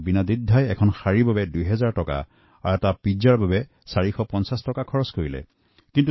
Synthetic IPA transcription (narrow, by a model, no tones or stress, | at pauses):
binadidʱːajɛkʰɔnxaɹibabɛdujɦɛzaɹtɔka̰ | aɹɛtapid͡ʒaɹbabɛ | saɹixɔpɔnsastɔkakʰɔɹɔskoɹilɛ̰ | kint̬u